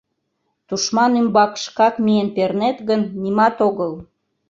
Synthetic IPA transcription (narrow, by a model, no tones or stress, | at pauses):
t̪uʃmɑnymbɑkʃkɑkmijenpernet̪ɣənːimɑt̪oɣəl